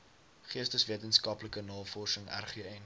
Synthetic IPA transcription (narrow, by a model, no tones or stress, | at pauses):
χiəstəsviətənskɐpləkənɑːlˠfɔrsəŋæ̰rχiəɛn